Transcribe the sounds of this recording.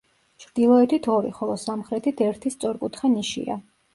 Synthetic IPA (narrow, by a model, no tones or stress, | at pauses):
t͡ʃʰɾd̪̥ilˠɔɛt̪ʰit̪ʰɔɾḭχɔlˠɔsamχɾɛt̪ʰit̪ʰɛɾt̪ʰist̪sʼɔɾkʼut̪ʰχaniʃḭa̰